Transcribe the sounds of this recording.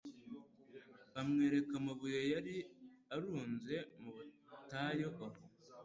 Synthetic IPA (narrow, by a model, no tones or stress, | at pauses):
βamŋe̞ːɾe̞kamuβujo̞jaɾiaɾuːnze̞muβutajoʔoβ